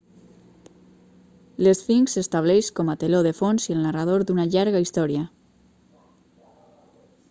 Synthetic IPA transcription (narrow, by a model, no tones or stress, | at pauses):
lesfiŋksest̪aβ̞lɛʃkɔmat̪eloðefonzielˠnarað̞oɾd̪unaʎaɾɣaist̪ɔɾia